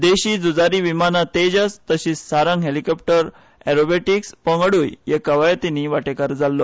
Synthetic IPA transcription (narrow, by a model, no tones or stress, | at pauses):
d̪eɕiːd͡zud͡zaɾiːʋimanat̪ed͡ʑəst̪əɕiːsːaɾaŋɦelikɔp̚ʈəɾ | ɛɾobeʈikspə̃ŋɡɽuːjjekəʋajt̪iniʋaʈekaɾd͡zalːo